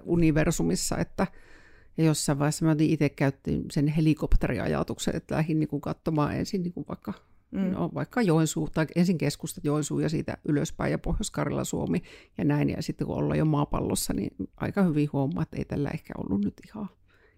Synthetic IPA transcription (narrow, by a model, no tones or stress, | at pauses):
uniʋersumisːɑ̰et̪ːæjɑjosːɑiʋɑesɑmot̪niʔit̪ekkæyt̪ːḭnsenhelikopt̪erḭɑ̰jɑ̰t̪uksḛnḛt̪ːlæhinniːŋkukɑt̪ːomɑːʔʔḛnsinniːŋkuʋʋɑikːɑ | no̰ʋɑikːɑjoˑinsuːt̪ɑikʔensiŋkeskust̪ɑjoˑinsuːjɑsḭːt̪æ̰ʔyløspæijɑpohjoskɑrilːɑ̰suomijɑnæinjɑ̰sit̪ːekṵʔʔo̰lːɑ̰jomɑːpɑ̰lːo̰sːɑnḭʔɑ̰ikɑhyʋihuomˑːɑːet̪ːḛit̪ælːæ̰ʔehkæ̰o̰lːunnyt̪ihɑ